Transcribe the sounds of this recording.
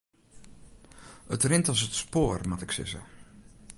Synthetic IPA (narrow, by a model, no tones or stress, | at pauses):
ətrɪntɔs̬ətspoːrmatɪksɪ̰sə̰